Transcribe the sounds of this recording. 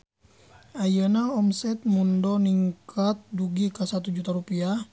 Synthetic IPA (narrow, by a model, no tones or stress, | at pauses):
ajənaɔmsɛt̪̚mundɔniŋkat̪̚duɡikasat̪ud͡ʒut̪aɾupia